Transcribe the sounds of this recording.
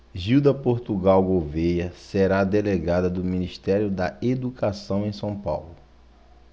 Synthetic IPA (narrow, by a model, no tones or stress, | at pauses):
ʒiwd̪ɐpoɾt̪uɡawɡovejɐseɾad̪eleɡad̪ɐd̪ʊmĩniʃt̪ɛɾjʊd̪ɐed̪ukʰasɐ̃w̃ẽj̃sɐ̃w̃pa̰wlʊ